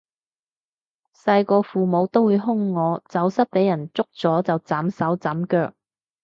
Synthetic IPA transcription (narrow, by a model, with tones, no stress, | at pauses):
sɐ˧jkɔː˧fuː˨˩mo˨˧˥wt̪o˥wuː˨˧jɦʊ˥ŋːɔː˨˧t͡sɐ˨˥wsɐ˥t̚pe˨˥jɐ˨˩nt͡sʊ˥k̚t͡sɔː˨˥t͡sɐ˨wt͡saː˨˥msɐ˨˥wt͡sɐː˨˥mkœː˧k̚